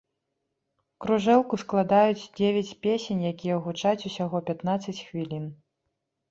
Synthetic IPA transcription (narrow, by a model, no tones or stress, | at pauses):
kɾuʐɛlˠkusklˠad̪ajut͡sʲd͡zʲevʲat͡sʲpʲesʲenʲjakʲijɛɣut͡ʂat͡sʲusʲaɣɔpʲat̪nat̪sɐt͡sʲxvʲilʲin